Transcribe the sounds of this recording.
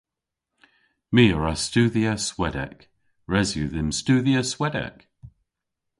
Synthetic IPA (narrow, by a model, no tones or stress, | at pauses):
miːəɹastuːðiəswɛdɛ̰k | ɹɛzjuːðɪmstuːðiəswɛdɛ̰k